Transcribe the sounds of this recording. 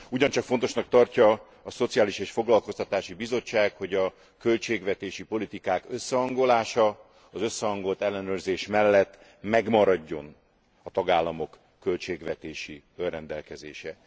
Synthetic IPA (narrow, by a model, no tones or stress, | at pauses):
uɟɒnt͡ʃɒkfont̪o̞ʃnɒk̚t̪ɒrcɒ | ɒso̞t̪sijaːliʃeːʃfo̞ɡlɒlko̞st̪ɒt̪aːʃibizo̞t͡ʃːaːkho̞ɟɒ | kø̞lt͡ʃeːɡvɛt̪eːʃipo̞lit̪ikaːkø̞sːɛɦɒŋɡo̞laːʃɒ | ɒzø̞sːɛɒŋɡo̞lt̪ɛlːɛnøːrzeːʃmɛlːɛt̪ː | mɛɡmɒɾɒɟːo̞n | ɒt̪ɒɡaːlːɒmo̞kːø̞lt͡ʃeːɡvɛt̪eːʃi | ølrɛnd̪ɛlkɛzḛːʃɛ